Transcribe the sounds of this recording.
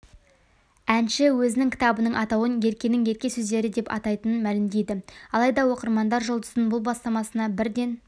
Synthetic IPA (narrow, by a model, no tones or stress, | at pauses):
ænʃɪwɵzɪnɪŋkʲɪ̥t̪ɑbənəɴʔɑt̪ɑwənje̞ɾkʲe̞nɪŋje̞ɾkʲe̞sɵzd̪e̞ɾɪd̪e̞pɑ̰t̪ɑjt̪ənənmælɪmd̪e̞jd̪ɪɑlˠɑjd̪ɑwo̞qəɾmɑnd̪ɑɾʒo̞lˠd̪əzənbʊlˠbɑst̪ɑmɑsənɑbɪɾd̪e̞n